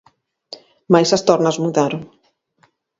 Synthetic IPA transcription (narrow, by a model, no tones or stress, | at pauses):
majsɐst̪ɔɾnɐzmuðaɾoŋ